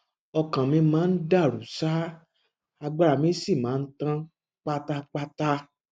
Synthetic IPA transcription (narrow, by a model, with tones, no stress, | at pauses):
ɔ˧kã˨mĩ˧˦mãː˨˦n̩˦da˦˨ɾu˨˦sa˦ | a˧ɡ͡ba˧ɾa˧˨mĩ˨˦si˦˨mãː˨˦n̩˦tã˦ | k͡pa˦ta˦k͡pa˦ta˦